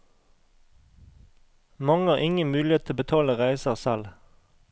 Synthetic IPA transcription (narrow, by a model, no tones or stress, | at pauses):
mɑŋəɑːʁʔɪŋənmʉːlɪeːt̪ʰɪbət̪ʰɑːləʁæɪsəʁsɛl